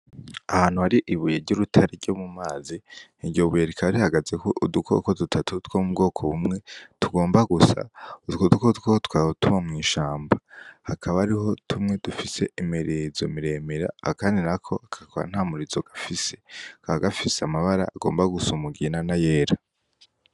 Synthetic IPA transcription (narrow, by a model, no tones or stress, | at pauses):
ahaːn̥uhaɾiʔiβujeɾɟuɾutʰaɾeɾɟomumaːziniɟoβueɾekʰaɾihaɡaze̞koʔudukʰo̰kodutʰatʰutwomubɡo̞ːkʰoβumŋe̞tuɡo̞ːmbaɡusa̰tkodukotkotkwaːhotuβamŋiːʃaːmbahakʰaβaɾiɦo̞tʰumŋe̞dufise̞̰imiɾizo̞̰miɾe̞ːmiɾa̰a̰kaːndinakʰo̞akʰakʰoɾa̰n̥hamuɾizo̞ɡ̥afise̞̥kaaɡafiseamaβaɾa̰aɡo̞̰ːmbaɡusumuɡinanajeːɾa